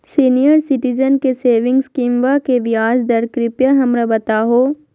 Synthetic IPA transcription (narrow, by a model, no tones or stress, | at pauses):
siːnijəɾsɪʈid͡ʒənkeseːʋɪ̃ŋɡskiːmʋakeʋjaːzd̪ɐɾkɾɪpjaɦɐmɾabɐt̪aːɦoː